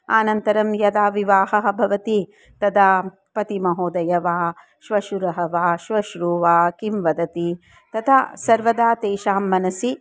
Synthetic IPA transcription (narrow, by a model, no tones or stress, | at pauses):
a̰ːnɐnt̪ɐɾɐmjɐd̪aːʋiʋaːɦɐɦɐ̆bʱɐʋɐt̪i | t̪ɐd̪aː | pɐt̪imɐɦoːd̪ɐjɐʋaː | ʃʋɐʃuɾɐɦɐʋaːʃʋɐʃɾuːʋaːkimʋɐd̪ɐt̪i | t̪ɐt̪ʰa̰sɐɾʋɐd̪aːt̪eːʃaːmːɐnɐsi